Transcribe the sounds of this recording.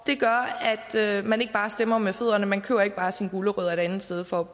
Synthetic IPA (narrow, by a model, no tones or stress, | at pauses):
d̥e̝ɡ̥ɶɐæd̥ømæne̝ɡ̥̚b̥ɑ̈ːsd̥emɐmefeð̰ˠɐnəmænkʰø̰ːʊɐeɡ̥b̥ɑ̈ːsinɡ̥uləʁœð̰ˠɐe̝d̥ænð̩ˠsd̥eð̞ˠfɒ̽